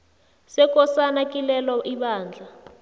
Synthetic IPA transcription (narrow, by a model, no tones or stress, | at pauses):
sɛkʼɔsanakʼilɛlɔʔiɓaːnd͡ɮʱa